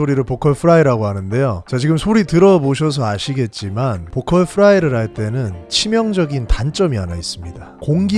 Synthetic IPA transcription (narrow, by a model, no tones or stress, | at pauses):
oɾiɾɯɭpokʰʌɭpʰɯɾaiɾaɡoɦanɯnde̞jot͡ɕat͡ɕiɡɯmsʰoɾitɯɾʌboɕʰʌs̬ʰʌaɕʰiɡe̞t̚t͡ɕ͈imanpokʰʌɭpʰɯɾaiɾɯɾɦaɭt͈e̞nɯnt͡ɕʰimjʌŋd͡ʑʌɡintant͡ɕ͈ʌmianais͈ɯmɲida | koŋɡi